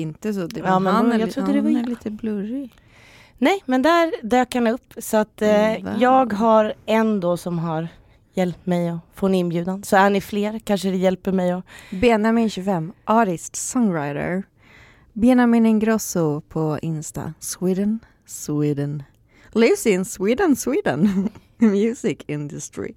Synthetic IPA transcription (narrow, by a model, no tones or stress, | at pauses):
ɪnt̪əsɔd̪ɛɑːmɛnjaɾʊd̪ːəd̪ɛvaliːt̪əblɵɾɪ | nɛjmɛnd̪æɾd̪øːkhanɵpːsɔat̪ːjɑːɡɦaɾɛnd̪ɔːsɔmɦaɾ | jɛlp̚t̪mɛjɔfɔnɪnbjʉ̟ːd̪ansɔæɳɪfleːɾkʰanʂəd̪ɛjɛlpəɾmɛjɔbɛnamɪnɕʉfɛmːʔɑːʈɪst̪sɔŋɾaɪd̪ə̰ɹ | bjɛnamɪnɪnɡɾɔsʊpʰɔʔɪnst̪a̰swiːd̪ən | swiːd̪ən | lɪvsɪnswiːd̪ənswiːd̪ə̰n | mjʉːsɪkʰɪnd̪ʉst̪ɾɪ̰